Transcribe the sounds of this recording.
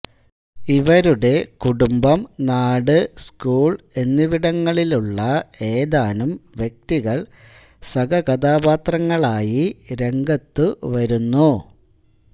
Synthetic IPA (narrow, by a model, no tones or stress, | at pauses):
iʋɐɾuɽe̞kuɽumbɐmnaːɽɨskuːɭ | e̞nːiʋiɽɐŋːɐɭiluɭːɐe̞ːd̪aːnumʋjek̚t̪iɣɐɭ | sɐɡɐkɐd̪aːbaːt̪rɐŋːɐɭaːjiɾe̞ŋɡɐt̪ːuʋɐɾunːu